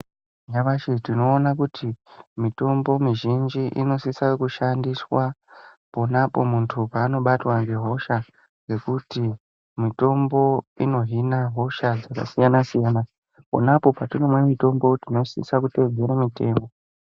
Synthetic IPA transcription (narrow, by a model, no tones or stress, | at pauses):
jaʋaʃitino̞ːnakutʰimito̞mbo̞miʒind͡ʒiʔḭno̞sisakuʃandiswa | ponapo̞muntʰupaːno̞ɓatwaŋɡe̞ɦo̞ʃa | ŋɡe̞kuti | mito̞mbo̞ino̞ɦinaɦo̞ʃad͡zaka̰sijanasijana | po̰napo̞paturemwe̞mito̞mbo̞tino̞sḭsakuted͡zeɾamite̞̰ːmbo